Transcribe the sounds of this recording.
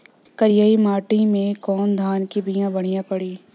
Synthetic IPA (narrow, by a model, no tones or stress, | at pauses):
kɐɾjaːimaːʈĩmẽkɔːnd̪ʱaːnkibijãbɐɽ̃ijãpɐɽiː